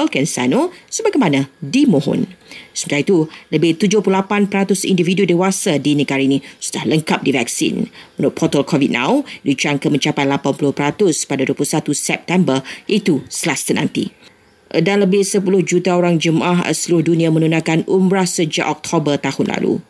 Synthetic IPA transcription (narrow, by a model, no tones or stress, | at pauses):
əlkɛnsa̰nosəbaɡajmãnãdimõɦʊ̰nsəmət̪ait̪uləbɪht̪ud͡ʒʊhpulapanpəɾat̪ʊsḭndividudewasadinəɡaɾainĩsu̥dahləŋkap̚divɛk̚sḭnmənʊʔ̚pʰɔt̪əlkʰɔvit̚nã̰wdit͡ʃaŋkəmə̃ɲt͡ʃapajlapanpulʊhpəɾat̪ʊspadaduəpulusat̪uusɛp̚t̪ɛmbərit̪usəlast̪ənã̰nt̪ḭ | ʔədanləbɪhsəpulʊhd͡ʒut̪aoɾaŋd͡ʒəmʔaɦə̰səluʊhdunĩamə̃nunãkanumbɾasəd͡ʒa̰ʔɔk̚t̪ʰobərt̪ahʊnla̰lṵ